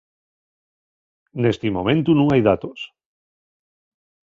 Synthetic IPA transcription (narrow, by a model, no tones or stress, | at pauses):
nest̪imomẽ̞nt̪unũŋajðat̪os